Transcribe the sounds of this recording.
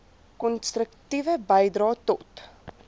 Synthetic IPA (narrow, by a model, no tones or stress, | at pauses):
kɔnstrəktivəbəjdrɑːtɔt